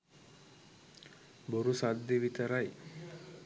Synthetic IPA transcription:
boɾusad̪ːeʋit̪əɾaj

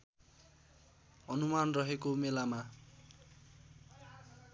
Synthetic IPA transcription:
ʌnumanrʌɦekomelama

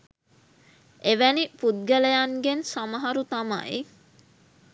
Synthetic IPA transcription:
eʋænipud̪̚ɡələjaŋɡensaməɦaɾut̪ama̰i

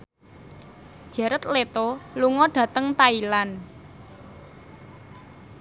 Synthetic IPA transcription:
ʒ̥ɛ̤ɾət̪let̪oluŋɔɖ̥ä̤t̪əŋt̪ailan

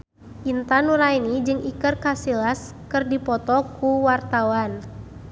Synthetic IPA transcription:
ʔint̪anuɾainid͡ʒɨŋikɨrkasilas | kɨrdipɔt̪ɔkuwart̪awan

